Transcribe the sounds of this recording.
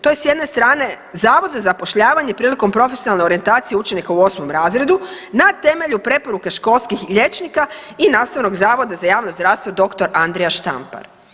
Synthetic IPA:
t̪o̞je̞sjed̪ne̞st̪ɾaːne̞ | zaːʋo̞d̪zazapo̞ʃʎaːʋaɲepɾiːliko̞mpɾo̞fesijonalne̞o̞ɾie̞nt̪aːt̪sijeut͡ʃenikauo̞smo̞mɾaːzɾe̞d̪unat̪e̞me̞ʎupɾe̞poɾukeʃko̞lˠskixʎe̞t͡ʃnikainaːst̪aʋno̞ɡzaːʋo̞d̪azajaːʋnozd̪ɾaʋst̪ʋo̞d̪o̞kt̪oɾʔand̪ɾejaʃt̪a̰mpa̰ɾ

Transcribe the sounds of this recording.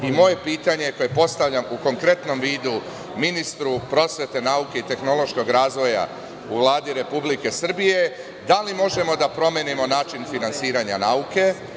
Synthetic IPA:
imo̞je̞piːt̪aɲe̞ko̞je̞po̞st̪aʋʎamuko̞ŋkɾe̞t̪no̞mʋiːd̪u | minist̪ɾupɾo̞sʋe̞t̪e̞nauke̞it̪e̞xno̞lˠo̞ʃko̞ɡɾaːzʋo̞ja̰ | uʋlˠaːd̪iɾe̞publike̞sr̩bije̞ | d̪alimo̞ʒe̞mo̞d̪apɾo̞mje̞nimo̞naːt͡ʃinfinansiːɾaɲa̰nauke̞

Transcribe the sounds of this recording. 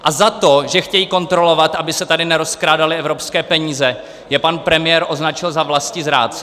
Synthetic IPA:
ʔazat̪o̞ʒɛxcɛjiːko̞nt̪ɾo̞lo̞vat̪ʔabɪsɛt̪adɪnɛɾo̞skɾaːdalɪɛvɾo̞pskɛːpɛɲiːzɛ | jɛpanpɾɛmɪjɛɾʔo̞znat͡ʃɪlzavlascɪzɾa̰ːtt͡sɛ

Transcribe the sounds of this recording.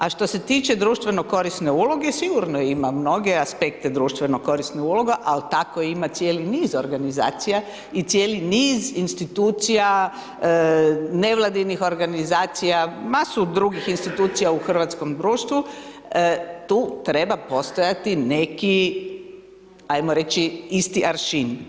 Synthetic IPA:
aʃt̪o̞se̞t̪iːt͡ʃe̞d̪ɾuːʃt̪ʋenoko̞ɾisne̞ulˠo̞ɡesiɡuɾnojimamno̞ɡe̞aspekt̪e̞d̪ɾuːʃt̪ʋe̞noko̞ɾisneulo̞ɡaʔalt̪akoimat̪sjeliniːzoɾɡaniza̰ːt̪sija | it̪sjeːliniːzinst̪it̪uːt̪sija | ne̞ʋlˠad̪inixo̞ɾɡanizaːt̪sijamasud̪ɾuɡixinst̪it̪uːt̪sijauxr̩ʋat̪sko̞md̪ɾuːʃt̪ʋu | t̪uːt̪ɾe̞bapo̞st̪ojat̪ineki | ajmoɾe̞t͡ʃiist̪iʔaɾʃin

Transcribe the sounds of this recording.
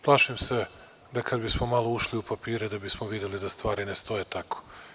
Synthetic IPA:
plˠaːʃimse̞ | d̪akad̪bismomalˠo̞uʃliupapiːɾed̪abismoʋid̪jelid̪ast̪ʋaːɾinest̪o̞jet̪ako̥

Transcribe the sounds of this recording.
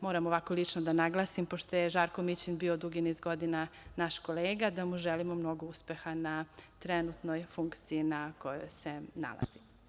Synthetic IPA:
moːɾamoʋako̞lˠit͡ʂnod̪anaɡlˠasimpoʃt̪ojeʒaːɾkomit͡ɕinbiːod̪uɡinizɡod̪inanaʃko̞leːɡad̪amuʒɛlimomno̞ɡouspe̞xanat̪ɾɛnut̪nojfuŋkt̪sijinakojo̰jse̞na̰la̰z̥i

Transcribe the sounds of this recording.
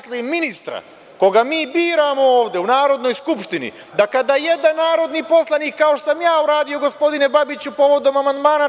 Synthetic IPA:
slˠimːinist̪ɾa̰ | ko̞ɡamiːbiːɾamo̞oːʋd̪eunaːɾo̞d̪no̞jskupʃt̪inḭ | d̪akad̪aje̞d̪anːaːɾo̞d̪nipo̞slˠaniːkːaoʃt̪osamjaːuɾaːd̪ijo̞ɡo̞spo̞d̪inebabit͡ɕupo̞ʋo̞d̪o̞mamand̪maːna

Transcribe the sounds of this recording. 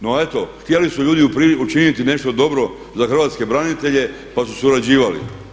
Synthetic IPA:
noet̪o̞xt̪ie̞lisuʎuːd̪iupiut͡ʃinit̪ine̞ʃt̪o̞d̪o̞bɾo̞ | zaxr̩ʋat̪ske̞bɾanit̪e̞ʎe̞ | pasusuɾad͡ʑiːʋalḭ

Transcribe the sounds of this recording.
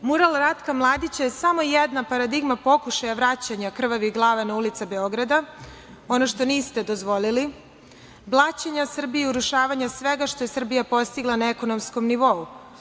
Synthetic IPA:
muɾalˠɾat̪kamlˠaːd̪it͡ɕaje̞samo̞jed̪napaɾad̪iɡmapo̞kuʃajaʋɾat͡ɕaɲakr̩ʋaʋiɡlˠaːʋenaulit̪sabe̞o̞ɡɾad̪a | o̞no̞ʃt̪o̞niːst̪e̞d̪o̞zʋo̞lili | blˠat͡ɕeɲasr̩bijiuɾuʃaːʋaɲasʋeɡaʃt̪o̞jesr̩bijapo̞st̪iɡlˠanaeko̞no̞msko̞mniʋo̞u

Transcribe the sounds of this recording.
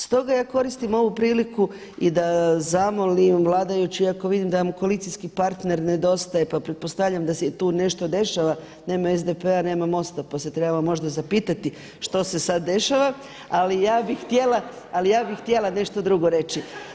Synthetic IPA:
st̪o̞ɡajaːko̞ɾist̪imo̞ʋupɾiːliku | id̪azamo̞limʋlˠaːd̪ajut͡ɕiako̞ʋid̪imd̪aʋamkolit̪sijskipaɾt̪ne̞ɾne̞d̪o̞st̪ajepapɾet̪̚po̞st̪avʎʲamd̪aset̪uːne̞ʃt̪o̞d̪e̞ʃaʋa | ne̞ːmaezd̪epe̞ane̞ːmamo̞st̪apase̞t̪ɾebaamo̞ʒd̪azapiːt̪at̪i | ʃt̪o̞se̞sad̪ːe̞ʃaʋa | alijaːbixxt̪je̞lˠa | alijaːbixxt̪je̞lˠane̞ʃt̪o̞d̪ɾuɡo̞ɾe̞t͡ʃi

